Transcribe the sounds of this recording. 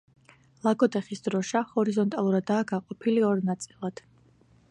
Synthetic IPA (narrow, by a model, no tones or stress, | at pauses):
lˠaɡɔd̪ɛχisd̪ɾɔʃahɔɾizɔnt̪ʼalˠuɾad̪ːaːɡaqʼɔpʰiliɔɾnat̪sʼilˠad̪̥